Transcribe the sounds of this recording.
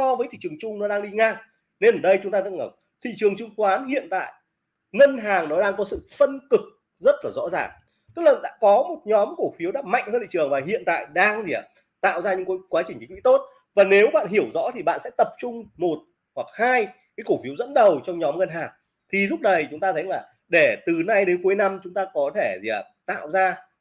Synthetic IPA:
sɔ˧vəː˨˦jt̪ʰḭ˧˨t͡ɕəŋt͡ɕʊ˧ŋ͡mnɔ˨˦ɗaː˧ŋɗi˧ŋaː˧ŋ | ne˧nʔəː˧˩ɗə˧jt͡ɕʊ˨˦ŋ͡mt̪aː˧ə˧˥n̚ŋəː˧˩w | t̪ʰḭ˧˨t͡ɕɨ˨˩əŋt͡ɕʊ˧ŋ͡mxwaː˨˦nhḭ˧˨ənt̪a̰ː˧˨j | ŋə˧nɦaː˨˩ŋnɔ˨˦ɗaː˧ŋkɔ˨˦sɨ̰˧˨fə˧nkɨ˨˩k̚ | zə˦˥t̚laː˨˩zɔ̰˧˥zaː˨˩ŋ | t̪ɨ˦˥k̚la˨˩ɗa̰ː˧˥kɔ˨˦mo˨˩t̚ɲɔ˨˦mko˧˩fi˨˦wɗa̰ː˧˥ma̰˧˨jŋ̟həː˧nt̪ʰḭ˧˨t͡ɕɨ˨˩əŋvaː˨˩ɦḭ˧˨ənt̪a̰ː˧˨jɗaː˧ŋti˨˩ə˨˩ | t̪a̰ː˧˨wzaː˧ɲɨ̰˧˥ŋko˨˦kwaː˨˦t͡ɕï˨˩ŋt͡ɕi̟˨˦wḭ˧˥t̪o˦˥t̚ | vaː˨˩ne˨˦wɓa̰ː˧˨nɦi˧˩əwzɔ̰˧˥t̪ʰi˨˩ɓa̰ː˧˨nsɛ̰˧˥t̪ə˨˩p̚t͡ɕʊ˧ŋ͡mmo˨˩t̚ | hwa˨˩k̚haː˧jkaː˨˦jko˧˩fi˨˦əwzə̰˧˥nɗə˨˩wt͡ɕɔ˧wŋ͡mɲɔ˨˦mŋə˧nɦaː˨˩ŋ | t̪ʰi˨˩zʊ˦˥p̚ɗə˨˩jt͡ɕʊ˨˦ŋ͡mt̪aː˧t̪ʰə˨˦jlaː˨˩ | ɗe˧˩t̪ɨ˨˩na˧jɗe˨˦nku˨˦jna˧mt͡ɕʊ˨˦ŋ͡mt̪aː˧kɔ˨˦t̪ʰe˧˩zi˨˩a˨˩t̪a̰ː˧˨wzaː˧

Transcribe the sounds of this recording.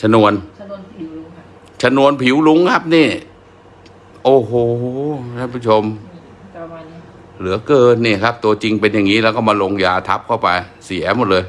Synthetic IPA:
t͡ɕʰa˧nu˧ən | t͡ɕʰa˧nu˧ənpʰi˨˦wlu˦˥ŋkʰa˦˥p̚niː˥˩ | ʔoː˧˩ɦoː˨˩a˥˩pʰu˦˥˩t͡ɕʰo˧m | lɯ˩˦ɐkɤː˧n̚niː˥˩kʰa˦˥p̚t̪u˧ɐt͡ɕi˧ŋpe˧nja˨˩ŋːiː˦˥lɛː˧˦˥wkɔː˥˩maː˧lo˧ŋjaː˧t̪ʰa˦˥p̚kʰa˥˩wpa˧j | si˨˩˦mo˨˩t̪̚lɤː˧j

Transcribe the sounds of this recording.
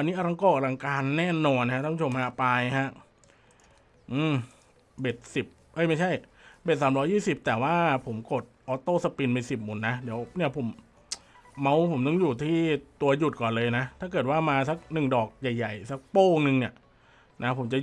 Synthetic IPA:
ʔa˧nːiː˦˥ʔa˧ɾa˧ŋkɔː˥˩ʔa˧ɾa˧ŋkaː˧nːɛː˥˩nɔː˧nːʰ˧a˥aː˥˩pʰu˥˩o˧mha˦˥paː˧jɦa˦˥ʔ | ʔɯː˧˩m | be˨˩t̪̚si˨˩p̚ʔɤ˦˧˥jma˥˩jt͡ɕʰa˥˩jbe˨˩t̪̚saː˩˦mɾɔː˦˥jːiː˥˩si˨˩p̚t̪ɛː˨˩waː˥˩pʰo˩˦mko˨˩t̪̚ʔɔː˧˥t̪oː˥˩sa˧pi˧nmiː˧si˨˩p̚mu˨˦nːa˦˥di˨˩˦əwni˥˩ɐpʰo˩˦mː | a˦˥wpʰo˩˦mt̪ɔ˥˩ŋjuː˨˩t̪ʰiː˥˩t̪u˧ɐju˨˩t̪̚kɔː˨˩nlɤː˧jna˦˥t̪ʰaː˥˩k̬ɤː˨˩t̪̚waː˥˩maː˧sa˧˦˥k̚nɯ˨˩ŋdɔː˨˩k̚ja˨˩jːa˨˩jsa˧˦k̚poː˥˩nɯ˧ŋni˥˩ɐ | nʔa˦˥pʰo˩˦mt͡ɕa˨˩

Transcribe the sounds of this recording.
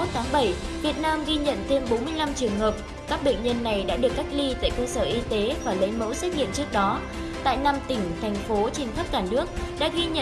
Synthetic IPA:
o˦˥t̚t̪ʰaː˨˦ŋɓə˧˩j | vi˨˩ət̚naː˧mɣi˧ɲə̰˧˨nt̪ʰe˧mɓo˨˦nmɨ˧əjla˧mt͡ɕɨ˨˩əŋhəː˨˩p̚ | kaː˦˥k̚ɓḛ˧˨ŋ̟ɲə˧nːa˨˩jɗa̰ː˧˥ɗɨ˨˩əkːa˦˥jk̚li˧t̪a̰ː˧˨jkəː˧səː˧˩ʔi˧t̪e˨˦vaː˨˩lə˨˦jmə̰˧˥wsə˦˥k̚ŋḭ˧˨ənt͡ɕɨ˦˥ək̚ɗɔ˨˦ | t̪a̰ː˧˨jna˧mt̪ï˧˩ŋ̟t̪ʰɛ˨˩jŋ̟fo˨˦t͡ɕe˧ŋt̪ʰə˦˥p̚kaː˧˩nɨ˦˥ək̚ɗa̰ː˧˥ɣi˧ɲə̰˧

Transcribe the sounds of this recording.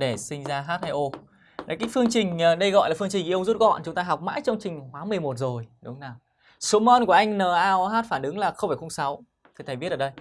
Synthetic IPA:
ɗe˧˩sï˧ŋ̟zaː˧ɦaː˦˥t̚ha˧jʔo˧ | na˨˦kaː˨˦jfɨ˧əŋt͡ɕï˨˩ŋ̟ː˨˩ɗə˧jɣɔ̰˧˨jlaː˨˩fɨ˧əŋt͡ɕï˨˩ŋ̟ki˧˦ə˧ŋ͡mzu˦˥t̚ɣɔ̰˧˨nt͡ɕʊ˨˦ŋ͡mt̪aː˧ɦa˨˩wk͡p̚ma̰ː˧˥jt͡ɕɔ˧wŋ͡mt͡ɕï˨˩ŋ̟ɦwaː˨˦mɨ˨˩əjmo˨˩t̚zo˨˩jɗʊ˨˦ŋ͡mnaː˨˩w | so˨˦mɔ˧nku˧˩əʔa˧jŋ̟nəː˨˩ʔaː˧wɦaː˦˥t̚faː˧˩nʔɨ˨˦ŋlaː˨˩xə˧wŋ͡mfaː˧˩xə˧ŋ͡msa˨˦w | t̪ʰt̪ʰa˨˩ɓi˦˥ləː˧˩ɗə˧j

